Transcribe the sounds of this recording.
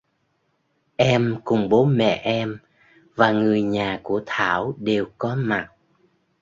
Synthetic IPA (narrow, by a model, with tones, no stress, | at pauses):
ʔɛ˧mkʊ˨˩ŋ͡mɓo˨˦mɛ̰˧˨ʔɛ˧m | vaː˨˩ŋɨ˨˩əjɲaː˨˩ku˧˩ət̪ʰaː˧˩˨wɗe˨˩wkɔ˨˦ma˨˩t̚